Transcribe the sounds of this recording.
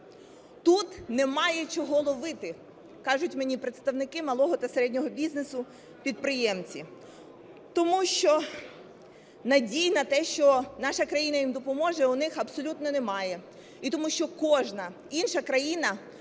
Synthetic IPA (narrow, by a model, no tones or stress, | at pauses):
t̪ut̪nɛmɑjɛt͡ʃɔɦɔlˠɔʋɪt̪ɪ | kɑʒʊtʲmenʲipɾet̪st̪ɐwnɪkɪmɐlˠɔɦɔt̪ɐseɾɛdʲnʲɔɦɔbʲiznesʊ | pʲid̪̚pɾɪjɛmt͡sʲi | t̪ɔmuʃt͡ʃɔ | nɐdʲijnɐt̪ɛʃt͡ʃɔnɑʃɐkɾɐjinɐjimd̪ɔpɔmɔʒɛʊnɪxɐbsɔlʲut̪nɔnɛmɑjɛ | it̪ɔmuʃt͡ʃɔkɔʒnɐ | inʃɐkɾɐjinɐ